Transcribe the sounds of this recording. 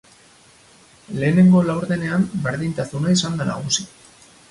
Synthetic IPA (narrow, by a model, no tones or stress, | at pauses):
le̞ːne̞ŋɡo̞lawɾðe̞ne̞ambe̞ɾðint̪asunaisand̪ana̰ɣ̞usi